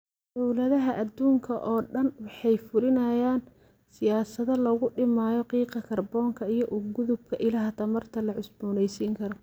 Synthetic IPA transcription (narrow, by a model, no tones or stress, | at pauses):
d̪̥ɔwlɐðɐɦɐʔɐd̪uːŋkʰɐʔɔːɖɐnwɑħɑjfʊɾɪnɐjaːn | sɪjaːsɐðɐlɐɣʊɖɪmaːjɔqiːqɐkʰɐrbɔːŋkʰɐijɔʔʊɡʊðʊb̚kʰɐʔɪlɐɦɐt̪ʰɐmɐrt̪ʰɐlɐʕʊsbʊːnɛjsiːŋkʰɐɾɔ